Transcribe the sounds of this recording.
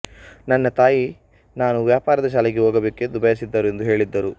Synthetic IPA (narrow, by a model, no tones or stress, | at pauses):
nɐnːɐt̪aːji | naːnuʋjaːpaːɾɐd̪ɐʃ̬aːleɡeɦoːɡɐbekːed̪ubʱɐjɐs̬id̪ːɐɾue̞nd̪uɦe̞ːɭid̪ːɐɾu